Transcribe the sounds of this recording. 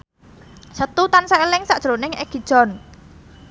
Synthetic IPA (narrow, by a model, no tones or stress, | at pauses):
sət̪ut̪ansalɪŋsaʔd̥ʒ̥ɾonɪŋɛ̰ɡ̥i̤d̥ʒ̥ɔ̤n